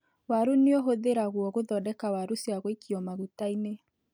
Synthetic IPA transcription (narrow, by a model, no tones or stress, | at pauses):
waɾuneɔɦoðeɾaɣwɔɣoðɔdɛkawaɾusiaɣwekiɔmaɣutaine